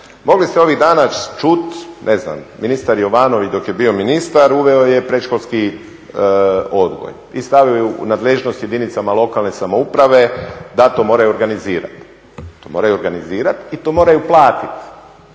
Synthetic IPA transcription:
mo̞ɡlist̪eo̞ʋiɣd̪aːnat͡ʃut̪nʔezna̰mminist̪aɾjo̞ʋaːno̞ʋit͡ʃd̪o̞kje̞biːo̞minist̪aɾuʋe̞oje̞pɾeʃkolski | o̞d̪ɡo̰j | ist̪aʋiojṵnaːd̪leʒnost̪je̞d̪init̪samalˠo̞kalˠne̞samoupɾaʋe̞d̪at̪omo̞ːɾajuoɾɡaniziːɾa̰t̪ | t̪oːmo̞ːɾajuoɾɡaniziːɾat̪it̪omo̞ɾajuplˠaːt̪it̪

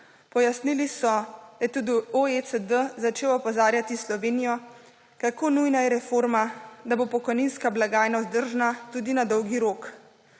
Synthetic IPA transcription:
pɔjasnilisɔjɛt̪ud̪ioesəd̪əzat͡ʃeːwɔpɔzaːɾjat̪islɔʋeːnijɔ | kakoːnujnajɛɾɛfoːɾmad̪abopɔkɔjninskablaɡaːjnazd̪əɾʒnat̪ud̪inad̪ɔwɡiɾoːk

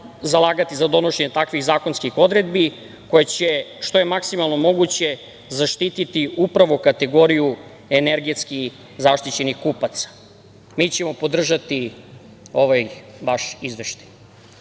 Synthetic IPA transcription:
zalˠaːɡat̪izad̪o̞no̞ʃeɲe̞t̪akʋiɣzaːko̞nskixo̞d̪ɾe̞d̪bi | ko̞jet͡ɕeʃt̪o̞je̞maksimalˠno̞mo̞ɡut͡ɕe̞ | zaʃt̪it̪it̪iupɾaʋokat̪e̞ɡo̞ɾiju | eneɾɡet̪skix | zaʃt̪it͡ɕe̞nixkupat̪sḁ | mit͡ɕe̞mo̞po̞d̪r̩ʒat̪i | o̞ʋajʋaʃizʋeʃt̪ḁj

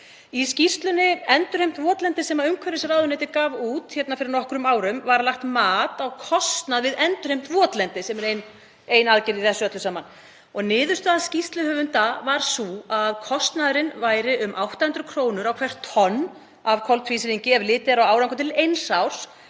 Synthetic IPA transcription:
iscist̪lʏnɪɛnt̪ʏɾ̥hejm̥t̪vɔːt̪lɛnt̪ɪsɛmaʏmkʰvɛɾɪsaɾraːwðʏnɛːt̪ɪkaːvuːt̪çɛt̪nafɪɾɪɾnɔhkɾʏmaːwɾʏmvaɾalaht̪maːt̪awkʰɔst̪naðvɪðɛnt̪ʏɾ̥hejm̥t̪vɔːt̪lɛnt̪ɪsɛmɛɾejn | ejnaðcɪɾiθɛsːʏœt̪lʏsaːman | ɔɣnɪːðʏst̪aðscist̪lʏhœːvʏnt̪avaɾ̥suaðkʰɔst̪naðɾɪnvaːjɾɪʔʏmʔawht̪ahʏnt̪ɾʏkʰɾoːwnʏɾawkʰv̥ɛr̥t̪ʰːɔnː | avkʰɔlt̪ʰfisɪɾiɲcɪɛvlɪːt̪ɪɾawaːwɾaŋkʏt̪ʰɪlejnsawɾ̥s

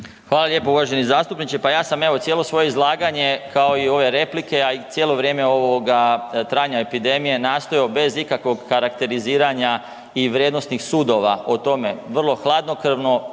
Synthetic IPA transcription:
xʋaːlalʲje̞ːpouʋaʒe̞nizaːst̪upnit͡ʃe̞pajaːsame̞ʋo̞t̪jeːlˠo̞sʋo̞jeizlˠaːɡaɲe̞kʰao̞io̞ʋe̞ɾe̞plike̞ait̪sjelo̞ʋɾʲje̞ːmeo̞ʋoɡat̪ɾaːɲaepid̪e̞mije̞naːst̪o̞jobe̞zikakʋo̞ɡkaɾakt̪e̞ɾiziːɾaɲa | iʋɾjed̪nost̪nixsuːd̪o̞ʋaot̪o̞me̞ʋr̩lˠo̞xlˠaːd̪no̞kr̩ʋno̞

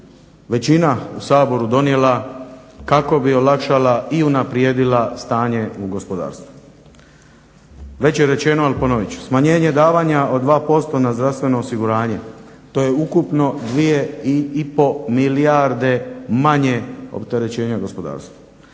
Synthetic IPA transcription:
ʋe̞t͡ɕinausaːbo̞ɾud̪o̞nie̞la | kako̞bio̞lakʃalaiunapɾjeːd̪ilast̪aːɲe̞uɡo̞spo̞d̪a̰ːɾst̪ʋu | ʋe̞t͡ɕjeɾe̞t͡ɕe̞noalpo̞noʋit͡ɕsmaɲe̞ːɲe̞d̪aːʋaːɲao̞d̪ʋaːpo̞st̪o̞nazd̪ɾafst̪ʋe̞no̞ːsiɡuɾaːɲe̞ | t̪o̞je̞ukupno̞d̪ʋijeiipo̞miliaɾd̪e̞maɲe̞o̰pt̪e̞ɾe̞t͡ɕe̞ːɲaɡo̞spo̞d̪a̰ːɾst̪ʋa

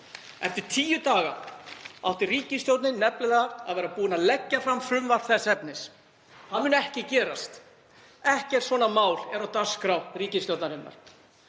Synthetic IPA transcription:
ɛ̰ft̪ɪɾ̥t̪ʰiːjʏt̪aːɣa̰a̰wht̪ɪriːcɪst̪jowt̪nɪnɛplɪðaa̰ðvɛːɾapuːɪnaðlɛcːafɾamfɾʏmvar̥θɛsɛpnɪs | hanmʏːnɛhcɪcɛːɾa̰st̪ | ɛhcɛɾ̥svɔːnamaːwlɛɾawt̪askɾaw̪riːcɪst̪jowt̪naɾɪnːa̰ɾ̥

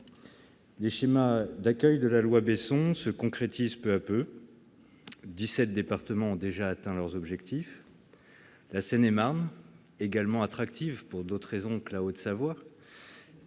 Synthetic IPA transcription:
leʃemad̪akʲœjd̪əlalwabesɔ̃səkɔ̃kχet̪izpøapø | d̪isɛt̪̚d̪epaʁt̪əmɑ̃ɔ̃d̪eʒaːt̪ɛ̃lœʁzɔbʒɛkt̪if | lasɛnemaʁn | eɡalmɑ̃at̪χakt̪ʰivpuʁd̪ot̪χʁezɔ̃kəlaod̪əsavwa

